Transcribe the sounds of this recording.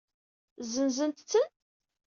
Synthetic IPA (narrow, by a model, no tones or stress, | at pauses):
zənzənt̪t͡sːən